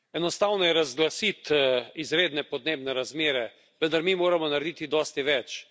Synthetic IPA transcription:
ɛnɔst̪awnɔjɛɾazɡlasit̪izɾeːd̪nɛpɔd̪neːbnɛɾazmeːɾɛ | ʋə̃nd̪aɾmimoːɾamɔnaɾed̪it̪id̪ɔːst̪iʋɛt͡ʃ

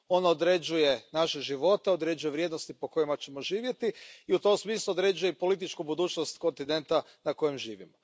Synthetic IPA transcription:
o̞nod̪ɾe̞d͡ʒuje̞naʃe̞ʒiʋo̞t̪e̞o̞d̪ɾe̞d͡ʒujeʋɾje̞d̪nost̪ipo̞ko̞jimat͡ɕe̞mo̞ʒiːʋje̞t̪iiut̪o̞msmiːslˠuod̪ɾe̞d͡ʒuje̞ipo̞lit̪̬it͡ʃkubud̪uːt͡ʃnost̪ko̞nt̪ine̞nt̪a | nako̞jemʒḭːʋḭmo

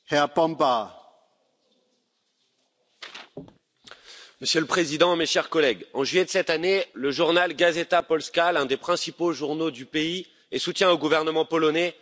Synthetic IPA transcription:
heapɑ̃mpa | məsjələpχezid̪ɑ̃meʃɛʁkɔlɛɡɑ̃ʒɥijed̪əsɛt̪aneləʒuʁnalɡazet̪apɔlskʲalɛ̃d̪epχɛ̃sipoʒuʁnod̪ypei | esut̪jɛ̃oɡuvɛʁnəmɑ̃pɔlɔnɛ

